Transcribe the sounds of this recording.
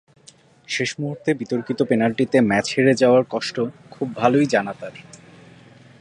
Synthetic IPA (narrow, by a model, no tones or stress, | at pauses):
ʃeʃmuɦuɾt̪ebit̪oɾkit̪openalʈit̪emɛt͡ɕheɾed͡ʑaoaɾkɔʃʈokʰubːʱalojd͡ʑanat̪aɾ